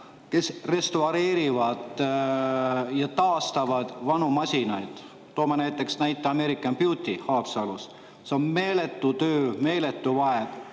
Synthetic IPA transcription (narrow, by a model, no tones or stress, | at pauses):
ke̞sre̞st̪uɑɾe̞ːɾivɑd̪̥ | jɑt̪ɑːst̪ɑvɑd̪̥vɑnumɑsʲinɑjd̪̥ | t̪ːo̞ːmɑnæjt̪ːˑe̞ksnæjt̪ːˑeɑmeɾikːˑɑnpjut̪ʲihɑːpsɑlus | seonme̞ːlet̪ːˑut̪øːme̞ːle̞t̪ːˑuvɑed̪̥